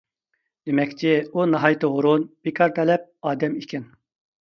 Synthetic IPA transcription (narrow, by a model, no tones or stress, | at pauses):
d̪̥emɛkʲt͡ʃʰɪunɑɦɑjt̪ʰɨʁʊɾunb̥ikʰɑɾt̪ʰɛlɛp̚ɑːd̪ɛmikʲʰɛn